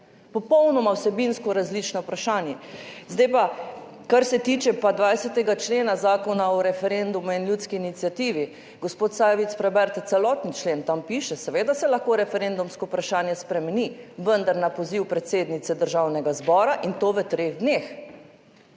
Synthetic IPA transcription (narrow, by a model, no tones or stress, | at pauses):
pɔpɔwnɔmawsɛbinskɔɾazlit͡ʃnɔpɾaʃaːnjɛzd̪ajpa | kaɾsɛt̪iːt͡ʃɛpad̪ʋajsɛt̪ɛɡat͡ʃleːnazaːkɔnaɔɾɛfɛɾend̪umuinljut̪skiːnit̪sjat̪iːʋi | ɡospot̪saːjʋit̪spɾɛbɛɾt̪t̪sɛlɔːt̪nit͡ʃleːnt̪ampiːʃɛsɛʋeːd̪asɛlɐxkoɾɛfɛɾend̪umskɔpɾaʃaːnjɛspɾɛmɛniʋənd̪aɾnapɔziwpɾɛt̪seːd̪nit̪sɛd̪əɾʒaːwnɛɡazbɔːɾaʔint̪oːʋət̪ɾeɣd̪nex